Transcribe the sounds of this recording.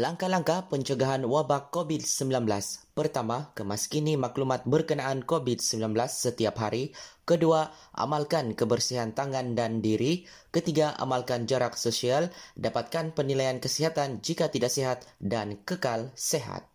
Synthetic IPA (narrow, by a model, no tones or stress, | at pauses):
laŋkalaŋkahpəɲt͡ʃəɡaɦanwabakːobid̪̚səmbilanblaspərt̪amakəmaskinimaklumat̪̚bərkənaʔankobid̪̚səmbilanbəlasːət̪iapɦaɾikəduaʔa̰malkankəbərsiɦant̪aŋandandiɾi | kət̪iɡaʔa̰malkand͡ʒaɾak̚sosialdapat̪̚kanpənilajankəsiɦat̪and͡ʒikat̪idaʔseɦat̪dankəkalseɦa̰t̪̚